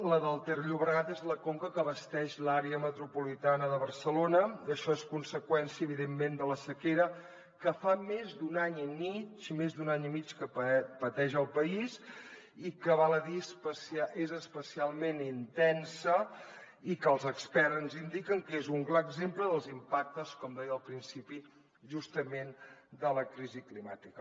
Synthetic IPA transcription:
ləðəlˠt̪ərʎuβɾəɣat̪ezləkoŋkəkəβəst̪ɛʃlaɾeəmət̪ɾupulit̪anəðəβərsəlonəəʃɔeskunsəkwɛnsiəːβiðemːend̪ələsəkeɾə | kəfamezd̪unaɲimit͡ʃimezd̪unaɲimit͡ʃkəppət̪ɛʒəlˠpəis | ikəβaləðispəsiaʔezəspəsialˠmenint̪ɛnsə | ikəlˠzəkspɛɾnzind̪ikəŋkezuŋklaəɡzempləðəlˠzimpak̚t̪əskɔmd̪ɛjəːlˠpɾinsipi | ʒust̪əmend̪ələkɾiziklimat̪ikə

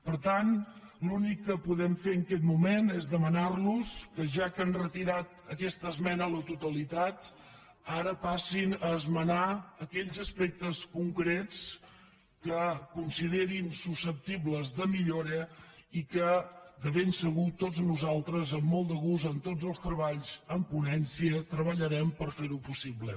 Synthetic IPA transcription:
pəɾt̪anlunikːəpuðɛmfeəŋkɛt̪mumenezðəmənarluskəʒakənrət̪iɾat̪əkɛst̪əzmɛnələt̪ut̪əlit̪at̪ | aɾəpasinəːzmənaəkɛʎzəspɛk̚t̪əskuŋkɾɛt͡s | kəkunsiðeɾinsusəp̚t̪iβləzðəmiʎoɾəikəd̪əβensəɣut̪od͡znuzalˠt̪ɾəzəmːɔlˠd̪əɣuzənt̪od͡zzəlˠst̪ɾəβaʎzəmpunɛnsiət̪ɾəβəʎəɾɛmpəɾfeɾupusiβlə̰

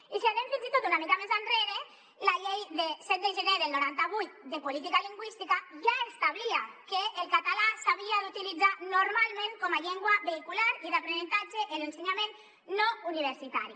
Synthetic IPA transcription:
iseðeɱfinzit̪ot̪unamikamezanreɾe | laʎejðesɛt̪̚d̪eʒeneðelnoɾant̪aβ̞ujt̪̚d̪epolit̪̬ikaliŋɡwist̪ikaʒaest̪aβilakeʔːlkat̪alasaβ̞iaðut̪ilid͡zanoɾmalmẽŋkɔmaʎeŋɡwaβeikulaɾiðapɾenẽnt̪ad͡ʒeʔelenseɲamẽn | nouniβ̞eɾsit̪aɾi

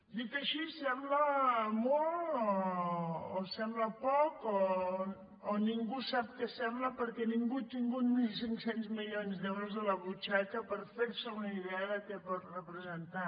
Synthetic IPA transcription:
d̪ik̪əʃisɛmbləmɔlɔː | sɛmbləpɔkoː | niŋɡusap̚kəsɛmbləpəɾkɛniŋɡut̪iŋɡut̪milˠsiŋksenzmiʎonzðɛwɾəzðələβut͡ʃakəpəɾfeɾsəunəiðɛəðəkɛpɔt̪rəpɾəzənt̪a

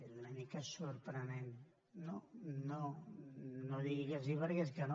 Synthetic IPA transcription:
eunamikəsuɾpɾənenː | ono | noðiɣiɣeziβɛɾɣeskano

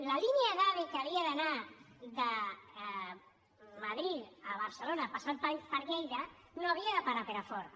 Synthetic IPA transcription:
lalinjaðaβikaβiaðəna | d̪ə | maðɾit̪aβ̞əɾsəlonapasanpapəɾʎejðə | noaβiaðəpaɾapeɾafɔɾ

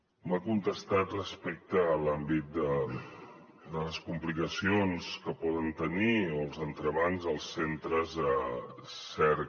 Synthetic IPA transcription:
məkunt̪əst̪at̪rəspɛk̚t̪əːlambit̪̚d̪ə | d̪ələskumplikəsionskəpɔðənt̪ənioəlˠzənt̪ɾəβanzəlˠsːent̪ɾəzəsɛɾ

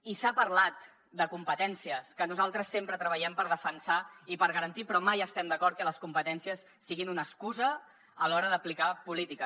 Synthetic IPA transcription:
isapəɾlat̪̚ | d̪əkumpət̪ɛnsiəskənuzalˠt̪ɾəsːempɾət̪ɾəβəʎɛmpəɾð̞əfənsaipəɾɣəɾənt̪ipɾɔmajəst̪ɛmd̪əkɔɾt̪kələskumpət̪ɛnsiəsːiɣinunəskuzəː | lɔɾəðəplikapulit̪ikə

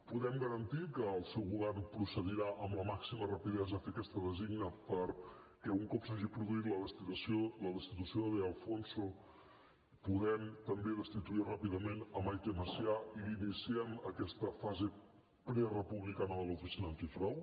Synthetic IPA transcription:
puðɛmɡəɾənt̪ikəːlˠsɛwɣuβɛrmpɾusəðiɾaʔəmləmaksimərəpiðɛzəfekɛst̪əðəziɡnəpəɾ | kɛuŋkɔpsaʒipɾuðuit̪ləðəst̪isoləðəst̪it̪̬usioðeəlˠfonso | puɣɛmt̪əmbeðəst̪it̪uirapiðəmenəmajk̪eməsiaiinisiɛməkɛst̪əfaze | pɾɛrəpuβlikanəðələt̪ɾisinant̪ifɾaw

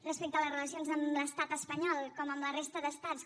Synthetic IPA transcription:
rəspek̚t̪ələzrələsionzəmləst̪at̪əspəɲɔlˠkɔməmlərest̪əðəst̪att͡s

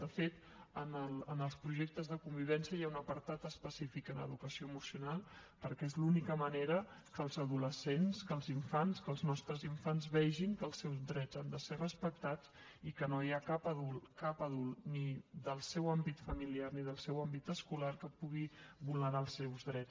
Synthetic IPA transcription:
d̪əfet̪ | ənəlˠənəlˠspɾuʒek̚t̪əzðəkumbiβ̞ɛnsiəjaunəpəɾt̪at̪əspəsifikənə̰ðukəsioəmusiunalˠ | pəɾkɛezlunikəməneɾə | kəlˠzəðuləsenskəlˠziɱfanskəːlˠznɔst̪ɾəziɱfanzβɛʒiŋkəlˠsːɛwzdɾɛd͡zand̪əserəspək̚t̪at͡s | ikənojakapəðulkapəðulˠnid̪əlˠsɛwambit̪fəmiliarniðəlˠsɛwambit̪əskulaɾkəpuɣiβulˠnəɾalˠsɛwzðɾɛt͡s

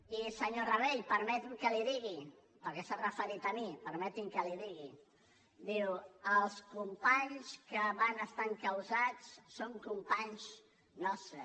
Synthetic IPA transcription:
isəɲorəβeʎpəɾmɛt̪iŋkəliðiɣi | pəɾkɛsarəfəɾit̪əmipəɾmɛt̪iŋkəliðiɣi | d̪iwəlˠskumpaɲskəβanəst̪aŋkəwzat͡sːoŋkumpaɲs | nɔst̪ɾə

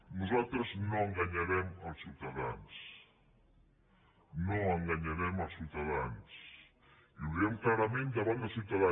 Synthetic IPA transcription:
nuzalˠt̪ɾəznoəŋɡaɲaɾɛməlˠsiwt̪əða̰ns | noəŋɡaɲaɾɛməlˠsiuwt̪əðans | iuðɾɛmklaɾəmẽnd̪əβand̪əlˠsiwt̪əða

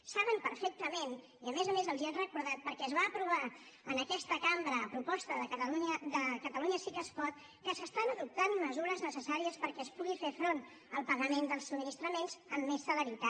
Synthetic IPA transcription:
saβ̞ənpəɾfɛk̚t̪əmen | iəmezəmezəlˠziɛnrəkuɾðat̪̚pəɾkɛəzβaːpɾuβ̞a | ənəkɛst̪əkambɾəːpɾupɔst̪əðəkəlud̪əkət̪əluɲəsikəskɔt̪̚ | kəsəst̪anəðup̚t̪anməzuɾəznəsəsaɾiəspəɾkɛəspuɣifefɾon | əlˠpəɣəmend̪əlˠsubminist̪ɾəmenzəmːesːələɾit̪a

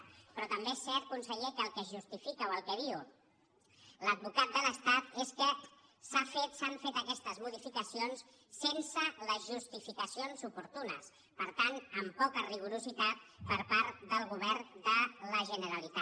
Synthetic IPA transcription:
pɾɔt̪əmbeesːɛɾt̪̚kunsəʎekəːlˠkɛzʒust̪ifikəwəlˠkɛðiu | ləd̪̚βukat̪̚d̪ələst̪at̪eskəsafet̪saɱfet̪əkɛst̪əzmuð̞ifikəsionsː | ensələzʒust̪ifikəsionsupuɾt̪unə̰s | pəɾt̪anəmpɔkəriɣ̞uɾuzit̪at̪pəɾpaɾt̪d̪əlˠɣuβɛɾnd̪ələʒənəɾəlit̪a

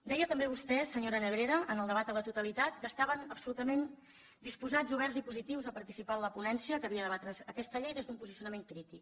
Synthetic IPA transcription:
d̪ɛjət̪əmbeβ̞ust̪ɛsəɲoɾənəβɾeɾəʔənəlˠd̪əβat̪̚d̪ələt̪ut̪əlit̪at̪kəst̪aβənəpsulut̪əmen | d̪ispuzazuβɛrzipuzit̪iwzəpəɾt̪isipaləpunɛnsiəkəβiəðəβat̪ɾəzəkɛst̪əʎejðezðumpuzisiunəmeŋkɾit̪ik

